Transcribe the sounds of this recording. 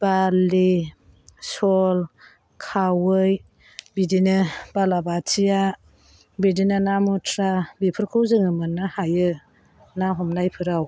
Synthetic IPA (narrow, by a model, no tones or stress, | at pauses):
b̥ali | sɔl | kʰawɯj | bidinɯb̥alabatʰija | bidinɯnamutʰɾabipʰɯɾkʰɯwzɯŋɯmɯnːɯhajɯ | naɦɔmnajpʰɯɾaw